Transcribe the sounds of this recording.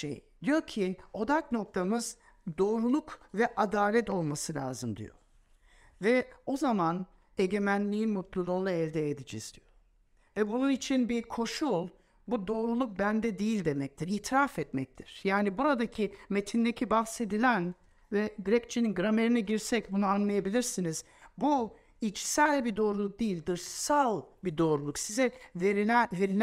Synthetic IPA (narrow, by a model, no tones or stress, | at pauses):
ʃḛjd̪̥ijo̞cʰio̞d̪akno̞k̚t̪ʰamɯz | d̪o̞ːɾulˠukvɛʔad̪aːlʲɛt̪o̞lˠmasɯlʲa̰ːzɯmd̪ḭjo̰ | vɛo̞zaman | eɟe̞mænlʲiinmot̪̚lulˠolˠaɛlʲd̪ɛːd̪id͡ʒḭz̥d̪ijo | vɛbununit͡ʃʰinbiɾkʰo̞ʃulˠ | bud̪o̞ːɾulˠuk̚bænd̪ɛd̪ijilʲd̪e̞mɛc̚t̪ʰiɾiːt̪ʰiɾafɛt̪mɛc̚t̪ʰiɾ̥jaːnibuɾad̪acʰime̞t̪ʰind̪ecʰibahse̞d̪ilʲæn | vɛɡɾɛc̚t͡ʃʰininɡɾame̞ɾinɛɟiɾsɛcbunuanlˠajabilʲiɾsiniz̥ | bu | it͡ʃsælʲbid̪o̞ːɾulˠuk̚d̪ijilʲd̪ɯɾʃsalˠbid̪o̞ːɾulˠuksizɛveɾinæveɾin